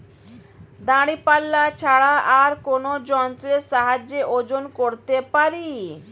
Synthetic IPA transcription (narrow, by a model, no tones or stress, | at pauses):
d̪aɽipalːat͡ɕʰaɽaaɾkonod͡ʑɔnt̪ɾeʃaɦad͡ʑeʔod͡ʑonkoɾt̪epaɾi